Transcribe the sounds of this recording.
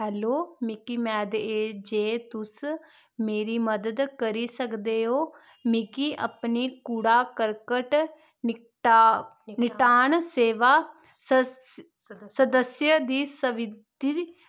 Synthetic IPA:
ɦɛːloːmɪkiːmɛːd̪eːd͡ʒeːt̪ʊs | meːɾiːməd̪əd̪kəɾiːsəkd̪eːɦoː | mɪkiːʔə̰pniːkuɽaːkəɾkəʈ | n | nɪʈaːɳseːʋaː | sə | səd̪əsjəd̪iːsəʋɪd̪i

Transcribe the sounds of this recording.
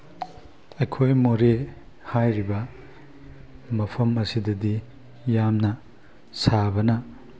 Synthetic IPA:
ɐjkʰojmoɾe | hajɾibɐ | mɐpʰɐmɐsidɐdi | jamnɐ | sabɐnɐ

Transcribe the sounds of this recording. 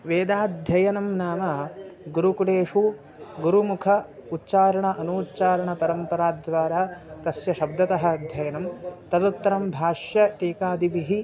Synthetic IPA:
ʋeːd̪aːd̪ʱjɐjɐnɐmnaːmɐɡuɾukuleːʂu | ɡuɾumukʰɐutːt͡ʃaːɾɐɳɐʔɐnuːtːt͡ʃaːɾɐɳɐpɐɾɐmpɐɾaːd̪ʋaːɾaːt̪ɐsjɐʃɐb̚d̪ɐt̪ɐɦɐ̆ɐd̪ʱjɐjɐnɐmt̪ɐd̪ɐt̪ːɐɾɐmbʱaːʂjɐʈiːkaːd̪ibiɦi

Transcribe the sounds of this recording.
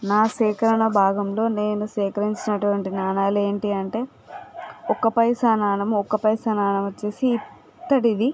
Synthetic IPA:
naːsɛːkɐɾɐɳɐbʱaːɡɐmlo̞ːne̞ːnusɛːkɐɾiɲt͡ʃinɐʈuʋɐɳʈinaːnaːlue̞ːɳʈiɐɳʈe̞ː | ɔkɐpɐjsanaːnɐmɔkːɐpɐjsɐnaːɳɐmɐt͡ʃːeːsiːt | t̪ːɐɽid̪i

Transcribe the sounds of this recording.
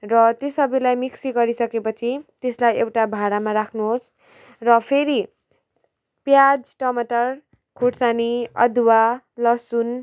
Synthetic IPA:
rʌt̪josʌbilajmiksiɡʌɾisʌkepʌt͡sʰit̪eslajewʈabʱaɽamaɾakʰnuɦos | rʌpʰeɾi | pjad͡zʈʌmʌʈʌr | kʰoʈsaniʌ̰d̪wa | lʌsun

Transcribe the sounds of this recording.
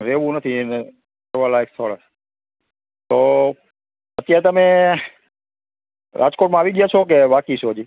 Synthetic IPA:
ɾeʋũnət̪ʰine | əɾʋalaekst̪ʰoɭa | t̪o | ət̪jaɾet̪əme | ɾʔa̰d͡ʒkoʈmãaʋiɡəjat͡ʃʰok̬eʋakit͡ʃʰod͡ʒi

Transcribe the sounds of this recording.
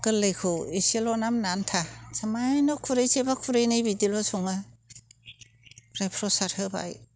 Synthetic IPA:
kɯlɯjkʰoeselɔnamnantʰasamajnɔkʰuɾejsebakʰuɾejnɯjbidilɔsɔŋa | ɾepʰɾɔsaɾhɯba̰j

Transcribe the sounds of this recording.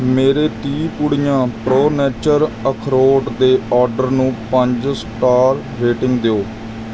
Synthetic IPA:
meːɾeːt̪iːpuɽijãːpɾoːnɛːt͡ʃəɾəkʰɾoːɖd̪eːɔːɾɖəɾnũːpəɲd͡ʒsʈaːɾ | ɾeːʈɪŋɡd̪eoː

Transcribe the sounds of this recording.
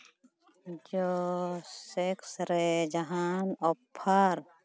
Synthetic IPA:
d͡ʒo | seksɾed͡ʒɐɦaːnɔpʰːaɾ

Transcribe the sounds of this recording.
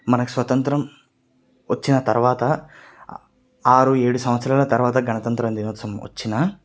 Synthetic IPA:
mɐnɐku̥sʋɐt̪ɐnt̪ɾɐm | ʋɐt͡ʃːinɐt̪ɐɾʋaːt̪ɐ | aːɾueːɽusɐmɐt̪sɾaːlɐt̪ɐɾʋaːt̪ɐɡɐnɐt̪ɐnt̪ɾɐnd̪inoːt̪sɐmʋɐ̰t͡ʃːinɐ

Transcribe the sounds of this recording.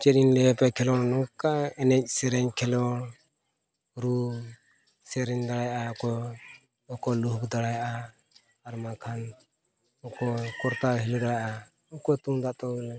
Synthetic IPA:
t͡ʃɛɗinlɛɛpɛkʰɛlɔnnɔkaɛnɛc̚ˀsɛɾɛɲkʰɛlɔn | ɾu | sɛɾɛɲd̪aɽajʔakɔ | ɔkɔluɦkd̪aɽajʔa | aɾmakʰan | ɔkɔkɔɾt̪aɦilɔd̪aɽajʔa | ɔkɔt̪uŋd̪aʔt̪ɔlɛ

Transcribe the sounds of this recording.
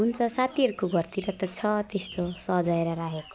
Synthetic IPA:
ɦunt͡sʰʌsat̪ʰiʌɾukoɡʱʌrt̪iɾʌt̪ʌt͡sʰʌt̪est̪osʌɦd͡zʌeɾʌɾaɦeko̥

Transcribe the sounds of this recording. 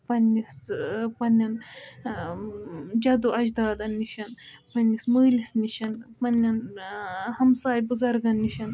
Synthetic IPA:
pɐnʲːispɐnʲːɐn | d͡ʒɐd̪uʔɐd͡ʒd̪aːd̪ɐnːiʃɐn | pɐnːismɨːlisniʃɐnpɐnʲːɐn | hɐmsaːjbuzɐɾɡɐnːiʃɐn

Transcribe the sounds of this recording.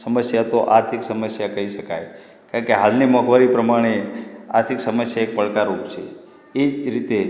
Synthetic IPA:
səməsjat̪oʔaɾt̪ʰiksəməsjakəɦiʃəkaj | kaɳkeɦalnimɔɡʋaɾipɾəmaɽ̃ea̰ɾt̪ʰiksəməsjaek̚pəɭkaɾupt͡ʃʰe | ed͡ʒɾit̪e

